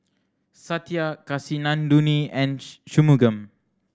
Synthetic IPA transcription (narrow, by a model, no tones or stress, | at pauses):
sat̪iakasinãnduniɛ̃nʃumuɡəm